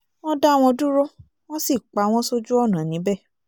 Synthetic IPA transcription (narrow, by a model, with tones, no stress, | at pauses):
w̃ɔ̃˦da˦˨w̃ɔ̃˧du˦ɾo˦ | w̃ɔ̃˦si˦˨k͡pa˨˦w̃ɔ̃˦so˦d͡ʒu˦ɔ˦˨nã˨nĩ˨˦bɛ˦˨